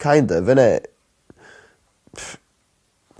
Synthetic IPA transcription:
kʰajndəvɛnɛ

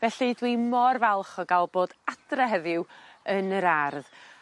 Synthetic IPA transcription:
vɛɬidwimɔrvɛlˠχɔɡalˠboːd̥ad̥rəɦɛðɪwənəɾarð

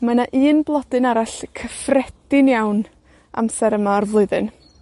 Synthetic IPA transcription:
manaʔɨːnblˠɔdɨnaɾaɬkʰəfrɛdɪnjawn | ʔa̰msɛɾəmaːrvlˠʊɨðɨn

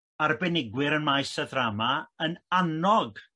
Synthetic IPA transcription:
arbɛnɪɡwɪɾənmajsəðramaənanɔɡ

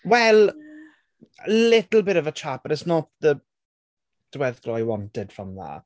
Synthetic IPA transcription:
wɛlˠ | lɪtl̩ˠbɪɾəvət͡ʃʰapəɾɪsnɔt̚ðə | d̥wɛðɡlɔjwɔntɛd̥fɔmða̰

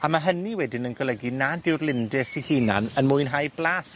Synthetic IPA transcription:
amaɦəniwɛdɪnənɡɔlˠəɡinadɪwrlˠɪndɪsihinanənmʊɨnɦajblˠaːs

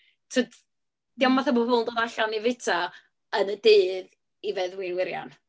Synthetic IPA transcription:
tʰəd | d̥iɔmaθabobʊndɔðaɬanivɪtʰa | ənədeːð | ivɛðwinwɪɾja̰n

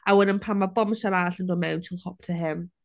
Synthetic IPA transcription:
awɛnənpʰamabɔmsaɾaːɬəndɔːmɛwntʰinχɔp̚ʰtʰəɦɪm

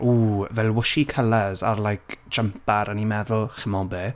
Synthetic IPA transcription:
ʔuːvɛlˠwʊʃikʰəlazarlˠajkʰd̥d͡ʒ̥əmpaɾənimɛðʊlˠχəmɔbe

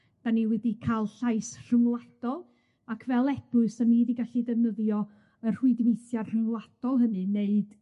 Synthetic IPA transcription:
d̥aniwɛdikʰalˠɬajsr̥əŋlˠadɔlˠ | akʰvɛlˠɛbʊɨsanidiɡaɬidɛvnəðjɔ | ərr̥ɪɨdnejθjarr̥əŋlˠad̥ɔlˠɦənɨneɨd̥

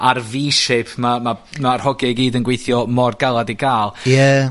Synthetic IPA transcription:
arviːʃɪpʰmamamar̥hɔɡiiɡiːdənɡwejθjɔmɔrɡalˠadiɡaːlˠjə

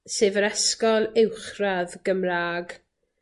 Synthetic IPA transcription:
seːvəɾɛskɔlˠɪwχraðɡ̥əmraːɡ

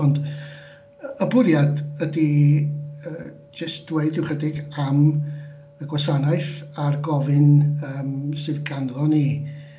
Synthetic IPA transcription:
ɔnd | əbʊɾjadədi | ə | d͡ʒəstd̥weɨdɪwχədɪɡam | əɡwasanajθarɡɔvɨnəːmsɨðɡanlˠɔni

